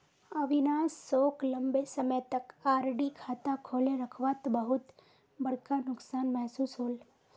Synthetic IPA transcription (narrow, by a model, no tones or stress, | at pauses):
əʋɪnaːsːoːklɐ̃mbesəməjt̪ɐkaːɾɖikʰaːt̪akʰoːleɾəkʰʋat̪bəɦʊt̪ | bɐɽkanʊksaːnmɛɦsuːsɦoːl